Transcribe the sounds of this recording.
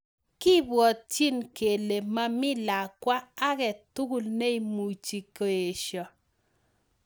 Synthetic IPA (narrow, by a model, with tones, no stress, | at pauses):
kɪ˦bwɔ˨t̚t͡ʃi˦nke˨le˨ma˦mɪ˦la˨kwa˦a˦kɛ˨tu˦ɡu˦lne˦i˨mu˨t͡ʃi˨ko˨e˨ʃjɔ˨